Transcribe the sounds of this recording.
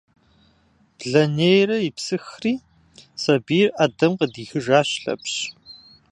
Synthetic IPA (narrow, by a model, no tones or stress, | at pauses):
b̥ɮɐnejrɐjɪpsɨxriː | sɐbiːraːdɐmqədiːxɨʒaːɕɬɐ̰pɕ